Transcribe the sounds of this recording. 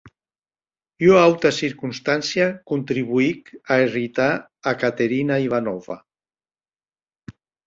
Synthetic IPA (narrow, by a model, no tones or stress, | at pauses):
oawt̪asiɾkunst̪ansiakunt̪ɾiβuikaerit̪aː | kat̪eɾinaiβanɔva̰